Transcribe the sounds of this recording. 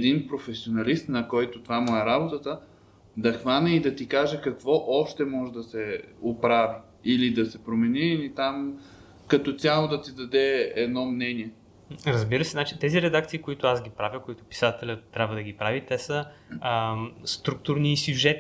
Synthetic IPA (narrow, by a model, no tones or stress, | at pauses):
ɛd̪inpɾofɛsionɐlist̪nɐkɔjt̪ʊt̪vamuɛɾabot̪ət̪ə | d̪ɐxvanʲɛid̪ɐt̪ikaʒɛkɐkvɔʔɔʃt̪ɛmɔʒɛd̪ɐsɛopɾavi | ilid̪ɐsɛpɾomɛniːlit̪am | kɐt̪ɔt̪ʲalˠod̪ɐt̪id̪ɐd̪ɛɛd̪nɔmnɛniɛ | ɾəzbiɾəsɛnat͡ʃit̪ɛziɾɛd̪akt̪siːkoit̪ʊasɡʲipɾavʲikoit̪ʊ̥pi̥sat̪ɛlʲət̪ːɾʲabvəd̪əɡʲipɾavit̪ɛsə | st̪ɾuk̚t̪uɾniːsjuʒɛt̪